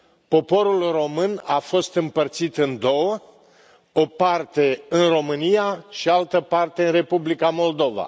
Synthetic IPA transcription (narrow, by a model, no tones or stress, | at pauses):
po̞po̞ɾulro̞mɨnafo̞st̪ɨmpərt̪sit̪ɨnd̪o̞wə | o̞part̪e̞ɨnro̞mɨnijaʃialt̪əpart̪e̞ɨnre̞publikamo̞ld̪o̞va̰